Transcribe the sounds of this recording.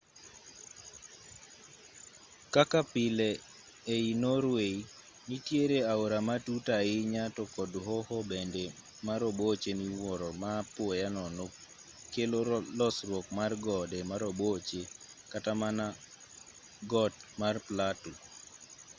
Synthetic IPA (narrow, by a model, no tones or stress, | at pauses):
kakapɪleː | inoɾwei | nitjeɾeaoɾamatutaɪɲatɔkɔdɦɔhɔbende | maɾɔbot͡ʃeniwɔɾɔmapwɔjanɔno | kelolɔsɾwɔkmarɡɔdemaɾobot͡ʃekatamana | ɡɔt̚marplatu